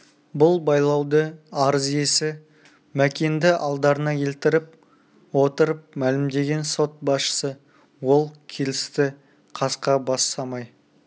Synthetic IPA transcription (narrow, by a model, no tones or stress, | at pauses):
bʊlˠbɑjlˠɑwd̪əɑɾəze̞sɪ | mækʲe̞nd̪ɪʔɑlˠd̪ɑɾənɑjʰe̞lt̪ɪɾɪp̚ | wo̞t̪əɾəp̚mælɪmd̪e̞ɡʲe̞nso̞t̪̚bɑsʃə̥sə | wo̞lˠkʲʰe̞lɪst̪ɪ | qʰɑsqɑbɑsːɑmɑj